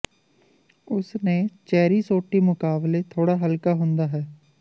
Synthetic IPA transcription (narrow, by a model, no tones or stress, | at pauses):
ʊsnẽːt͡ʃɛːɾiːsoːʈːiːmʊkaːbleːt̪ʰoːɽaːɦəlkaːɦʊnd̪aːɦɛː